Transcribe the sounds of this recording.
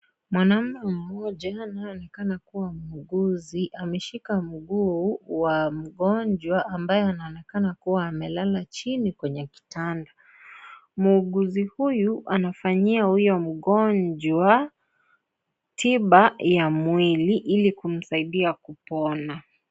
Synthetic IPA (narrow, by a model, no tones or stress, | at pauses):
mwanam̩nam̩mɔʄanaɔnɛkanakuwamuːɡuziʔamɛʃikam̩ɠuwam̩ɠɔɲd͡ʒwaʔambajɛanaɔnɛkanakuwaːmɛlalat͡ʃinikwɛɲɛki̥tanda | muːɠuzihujuʔanafaɲiahujɔm̩ɠɔnd͡ʒwa | tiɓajamwiliʔilikum̩saiɗiakupɔna